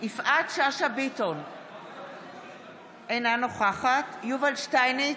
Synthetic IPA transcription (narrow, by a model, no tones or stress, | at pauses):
ʔifʔatʃaʃabiton | ʔenanoχaχatjuvalʃtajni